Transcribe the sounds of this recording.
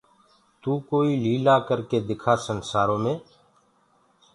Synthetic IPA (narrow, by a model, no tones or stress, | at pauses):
t̪uːkoːiːliːlaːkəɾkeːd̪ɪkʰaːsənsaːɾõːmẽː